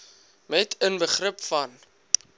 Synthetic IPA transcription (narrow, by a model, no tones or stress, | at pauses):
mɛtʰənbəχrəpfɐn